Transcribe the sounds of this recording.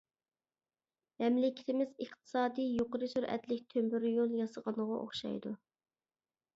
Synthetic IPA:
mɛmlɪkʲɪ̥t̪ʰɪmɪzəχt̪ʰɨ̥sɑːd̪ijjoqəɾɨsyɾɛ̰t̪lɪkʲt̪ʰømbyɾjolˠjɑsəʁɑnəʁɑʔo̰χʃɑ̰jd̪u

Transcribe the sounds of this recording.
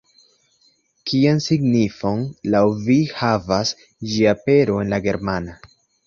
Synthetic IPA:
kiansiɡnifo̞nlawvihavas | d͡ʒiape̞ɾo̞e̞nlaɡe̞ɾmana

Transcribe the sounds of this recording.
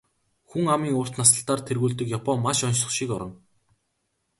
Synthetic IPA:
xuŋamiːŋʊːr̥t̪nasə̆ɬt̪aːrt̪ʰerɣuːɮt̪ɘ̆kjapɔmmaʃɔnt͡ɕɞ̆χʃiːkɔɾɞ̆ŋ

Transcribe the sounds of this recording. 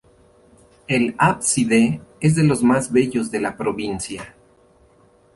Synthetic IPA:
e̞lapsiðeez̬ðe̞lo̞zmazβe̞ʝo̞zðe̞lapɾo̞βinsja

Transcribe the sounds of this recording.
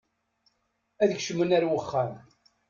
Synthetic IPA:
æðəçʃəmənæɾwəχːæm

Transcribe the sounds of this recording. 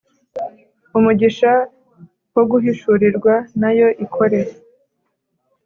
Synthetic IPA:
umuɟiʃa | woɡuɦiʃuɾiɾɡwanajo̞ʔikʰo̞ɾe̞ɾ

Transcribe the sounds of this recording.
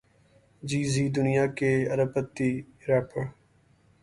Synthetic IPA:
d͡ʒiːziːd̪ʊnɪjaːkeːəɾəpət̪ːiːɾaːpə

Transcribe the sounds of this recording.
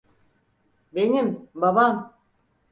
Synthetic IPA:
be̞nimbaban

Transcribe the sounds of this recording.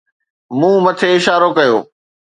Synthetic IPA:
mũːmɐt̪ʰeɪʃaːɾokɐjo̰ː

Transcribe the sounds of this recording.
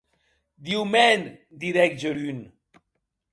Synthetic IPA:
d̪iwmɛn | d̪iɾɛk̚d͡ʒəɾyn

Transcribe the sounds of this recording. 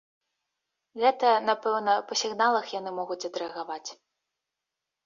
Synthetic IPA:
ɣɛt̪ɐnapɛwnɐpɐsʲiɣnalˠɐxjanɨmɔɣut͡sʲɐd̪ɾɛɐɣavat͡sʲ

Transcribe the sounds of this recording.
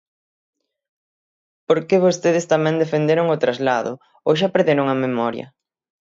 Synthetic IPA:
poɾkeβ̞ost̪eð̞ɪst̪amɛ̃ŋd̪efend̪eɾʊŋʊt̪ɾazlaðʊ̰ | oʃ̬apeɾðeɾʊŋɐmemɔɾjɐ̰

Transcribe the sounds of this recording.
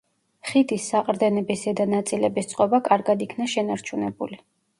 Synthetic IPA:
χid̪isːaqʼɾd̪ɛnɛbisɛd̪anat̪sʼilɛbist̪sʼqʼɔbakʼaɾɡad̪ikʰnaʃɛnaɾt͡ʃʰunɛbṵli

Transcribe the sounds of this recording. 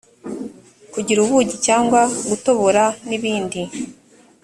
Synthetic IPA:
kuɟiɾuβuɟicaːŋɡwaɡuto̞βoɾaniβiːndi

